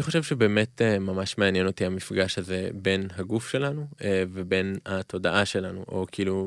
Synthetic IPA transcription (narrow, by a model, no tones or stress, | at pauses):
niχoʃevʃebe̞ːme̞temamaʃmeanjeno̞t̪iamifɡaʃazebe̞nɦaɡufʃe̞lanuvebe̞nhat̪ʰo̞daʔaʃe̞lanṵʔo̞kiiːlu